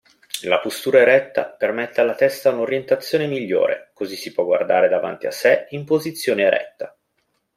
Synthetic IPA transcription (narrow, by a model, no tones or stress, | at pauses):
lapost̪uːɾaeɾɛt̪ːa̰permɛt̪ːealːat̪ɛst̪aunoɾjent̪at̪sːjoːnemiʎːo̰ːɾḛkozisːipwɔɡwa̰rd̪a̰ːɾed̪ava̰nt̪ia̰sːeimpozit̪sːjoːneeɾʔɛ̰t̪ːa